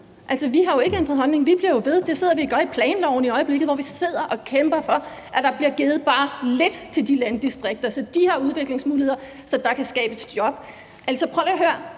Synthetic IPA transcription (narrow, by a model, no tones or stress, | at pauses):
ʔæl̰sɒʋiɦɑ̈jo̝e̝ɡ̥əend̥ʁɐðˠɦɒ̽lne̝ŋʋib̥liɐjo̝ʋe̝ð̞ˠd̥ese̝ð̞̰ˠɐʋiɡ̥ɶɐipʰlɛːnlɒʊn̩iɒ̽ɪəb̥le̝ɡ̥ð̩ˠʋɒʋise̝ð̞̰ˠɐʔɒ̽kʰemb̥ɐfɒ̽ | ʔæd̥ɑ̈b̥liɐɡ̥eːð̩ˠb̥ɑ̈ːled̥t͡sʰe̝ld̥ilænd̥isd̥ʁeɡ̥̚d̥ɐsɒ̽d̥ihɑ̈uðˠʋe̝ɡ̥le̝ŋsmuːlihe̝ð̞̰ˠɐ | sɒ̽d̥ɑ̈kʰæsɡ̥ɛ̰ːb̥əsd̥jɒ̽b̥̚ | ʔæl̰sɒpʰʁɒʊlɦøɐ̰